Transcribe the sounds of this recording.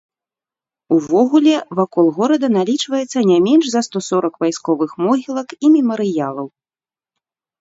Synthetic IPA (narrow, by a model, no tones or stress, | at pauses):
uvɔɣulʲɛvakɔlˠɣɔɾɐd̪ɐnalʲit͡ʂvɐjɛt̪sːɐnʲamʲɛnʐzɐst̪ɔsɔɾɐkvajskɔvɨxmɔɣʲilˠɐkimʲɛmɐɾɨjalˠɐw